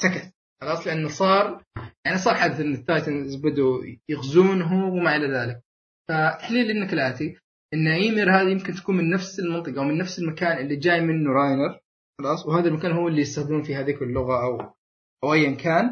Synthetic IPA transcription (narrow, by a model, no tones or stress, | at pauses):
sakat̪ | xɑlɑːsˤlɪʔanːsˤɑːɾˤjaʕanisˤɑːɾˤħaːd̪aθʔɪnːɪt̪ːaːjt̪anɪzbad̪ujɪɣzuːnɦʊwɪmaʔɪlaðaːlɪk̚ | fat̪ːaħliːlʔɪnːaklaːʔt̪i | ʔɪnːaʕiːmɪɾhaːðijɪmkɪnt̪akuːnmɪnːafsɪlmɑnt̪ˤɨqɑwmɪnːafsɪlmakaːnʔɪlːid͡ʒaːjmɪnːuɾˤaːjnɪɾ | xɑlˤɑːsˤwhaːðalmakaːnhʊːɪlːijɪst̪axd̪muːnfihaːðiːkɪlːʊɣaʔaw | ʔawʔajːamkʰaːn